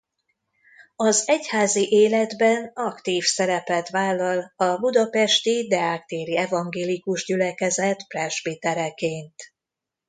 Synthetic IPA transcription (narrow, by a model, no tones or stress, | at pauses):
ɒzɛchaːziʔeːlɛd̪bɛnɒkt̪iːfsɛɾɛpɛt̪ʋaːlːɒlɒbud̪ɒpɛʃt̪id̪ɛaːk̚t̪eːɾiɛvɒŋɡeːlikuʒɟylɛkɛzɛt̪prɛʒbit̪ɛɾɛkeːnt̪